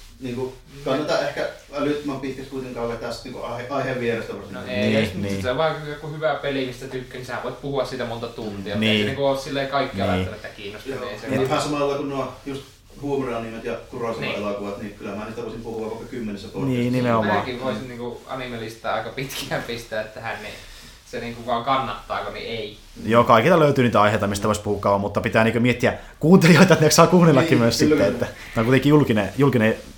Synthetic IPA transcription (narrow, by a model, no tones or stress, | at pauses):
niːŋku | kɑnːet̪ɑʔʔehkæ | ɑlyt̪mɑmpit̪kækskuit̪eŋkɑˑuʋet̪æsniːŋkuɑheʔɑˑiheʋʋierest̪æpɑrst̪noeˑnst̪ːeʋɑˑekkuhyʋæpelimist̪æt̪ykːænishæʋoˑit̪puhuɑssiːt̪æmont̪ɑt̪unt̪iɑneˑːniŋkuolssilːeˑikɑˑikːiɑɑjɑɑnet̪ːækiːnːost̪ɑeˑseihæˑsɑmɑˑɑlːɑkunnuɑjust̪ | huomoreɑnimet̪jɑkuroˑisenʋɑelokuʋɑt̪nikylæmæːniːt̪æʋoˑisimpuhuʋɑʋʋɑikːɑkymːenisːæpoˑniːniimeomɑːkiʋʋoisinniːŋkuɑ̰nimelist̪ɑːɑˑikɑpit̪kʰææːmpist̪æet̪ːæhænnḛ | seniːŋkuʋʋɑŋkɑnːɑht̪ːˑɑːkonḭei | joːkɑˑikilt̪ɑløyt̪yːniːt̪æɑˑiheˑit̪ɑmist̪æʋoˑispuhukːˑɑːʋɑmut̪ːɑpit̪æːniːkømiet̪ːiækuːnt̪elijoit̪ɑet̪neksɑːkuːnelːɑkːimyønssiːæet̪ːæ | t̪ɑˑkut̪ekijulkinejulkine